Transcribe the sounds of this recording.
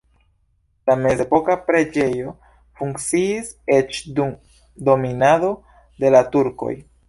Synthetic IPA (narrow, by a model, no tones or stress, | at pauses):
lame̞zepo̞kapɾe̞d͡ʒe̞jo̞ | fuŋkt͡siːse̞t͡ʃdum | do̞minado̞ | de̞latuɾko̞̰j